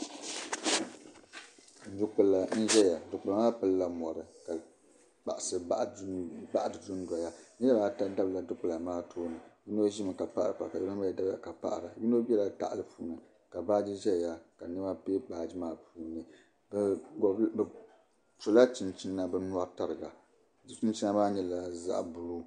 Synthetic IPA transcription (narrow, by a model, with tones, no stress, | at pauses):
du˨k͡pɨ˨la˨n̩˦ʒɛ˦ja˨dʊ˨k͡pla˨maː˦pɨ˦lla˦mɔ˨ɾɨ˨ka˨ | k͡pa̰˨ʔa˨sɨ˨ʔba˦ʔa˦dɨ˨du˦n˦da˨ja˦nɛ˦a˦a˨˦ta˦da˦bla˨dʊ˦k͡pʊ˨la˨maː˦tʰoː˦nɨ˨ji˦no˦ʒi˦mɨ˨ka˨pa˦ʔa˨ɾa˨pa˨ka˨jɛ˦o˦a˦a˨da˦ba˨ka˨pa̰˦˨ʔɾa˨bi˦no˦bʲɛ˦la˨ta̰˨ʔa˨lɨ˨puː˨˦nɨ˨ | ka˨baː˦d͡ʒi˦ʒɛ˦˨ja˨ka˨nɨ˦ba˦pe˦k͡paː˨d͡ʒi˦maː˨pʰuː˨nɨ˨ | bɡb | pu˨la˦t͡ʃi˨nt͡ʃi˦nːa˦bɛ˦nu˦a˦ta˨ɾɨ˨ɡa˨ | d͡ʒi˦t͡ʃi˦n˦t͡ʃi˦na˦maː˦ɲɛ˨la˦za̰˦ʔbʊ˨lu˦